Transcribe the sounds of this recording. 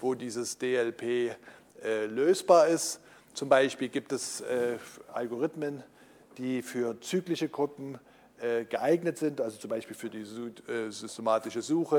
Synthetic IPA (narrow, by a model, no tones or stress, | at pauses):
voːdiːzəsd̥eːɛlpʰeː | ʔɛːløːsb̥aːɐɪst | t͡sʊmbaɪʃpiːlɡiːp̚tɛsʔɛːʔalɡoʁɪtmən | d̥iːfyːɐt͡syːɡlɪçəɡʁʊpm̩ | ʔɛːɡ̥əʔaɪɡnətz̥ɪntʔalzot͡sʊmbaɪʃpiːlfyːɐdiːɛzʏstemaːtɪʃəzuːxə